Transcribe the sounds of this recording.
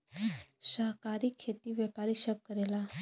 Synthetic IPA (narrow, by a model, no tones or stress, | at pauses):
ɕaɦkaɾiːkʰːet̪iːʋjɛpaɾiɕəb̚kəɾela